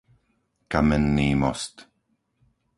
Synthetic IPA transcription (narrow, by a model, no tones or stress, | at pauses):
kamɛnːiːmɔst̪